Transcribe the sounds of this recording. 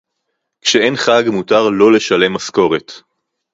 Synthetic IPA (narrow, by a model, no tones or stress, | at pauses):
kʃeenχaɡmutaʁlo̞le̞ʃale̞mːasko̞ʁet